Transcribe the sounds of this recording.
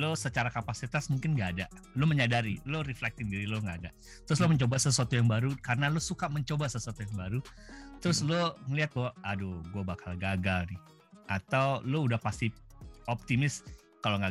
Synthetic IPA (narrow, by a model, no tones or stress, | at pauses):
losət͡ʃaɾakapasit̪asmuŋkɪnŋɡaːda | lʊməɲadaɾiloɾiflɛk̚t̪ɪndiɾilʊŋɡaːda̰ | t̪əɾʊs̬lʊməɲt͡ʃobasəs̬uat̪ujaŋbaɾukaɾənalʊsukaməɲt͡ʃobasəsuat̪ujaŋbaɾut̪əɾʊsloŋəliat̪̚ɡadoɡuabakalɡaɡalnɪh | ʔat̪awloudahpast̪iɔp̚t̪imɪs | kaloŋɡa